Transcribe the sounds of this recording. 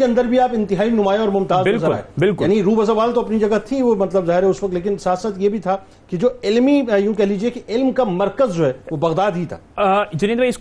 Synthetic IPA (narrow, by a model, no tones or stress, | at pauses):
keɐ̃nd̪əɾbʱiaːpɪ̃nt̪ɪɦaːinʊmaːeɔːɾmʊmt̪aːzɪnlzəɾaːebɪlkjaːniɾuːbɐzɐʋaːlt̪oɐpnid͡ʒɐɡat̪ʰiʋomɐt̪ləbzaːɦɪɾɦɛʊsʋɐk̚t̪leːkɪnsaːt̪saːt̪jebʱit̪ʰa | kid͡ʒoːɪlmijũːkɛɦliːd͡ʒiekiʔɪlmkamɐɾkəzd͡ʒoːɦɛːʋobɐɣd̪aːd̪ɦit̪ʰa̰ːd͡ʒɐnĩːnd̪bʱaɪs